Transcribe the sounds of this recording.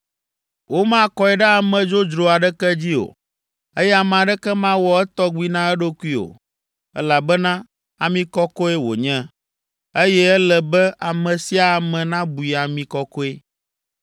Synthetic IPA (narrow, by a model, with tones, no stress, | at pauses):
wʔo˦mã˦kɔ˨ɛ˨ɖɛ˦a˨mɛ̃˨d͡ʒo˦d͡ʒɾo˨a˨ɖɛ˦kɛ˦d͡ʑi˦o̰˨ | e˦jɛ˦a˨mã˨ɖɛ˦kɛ˦mã˦wɔ˦ɛ˦t̪ɔ˦ɡ͡bi˦nã˦ɛ˦ɖo˦ku˦i˦o̰˨ | ɛ̰˦la˨bɛ˦nã˦ | a˨mĩ˦kɔ˦kɔ˦e˦wo̰˨ɲɛ̃˦ | e˦jɛ˦ɛ˦lɛ˨bɛ˦ʔa˨mɛ̃˨si˦a˨mɛ̃˨nã˦bu˨i˨a˨mĩ˨kɔ˦kɔ˦e˦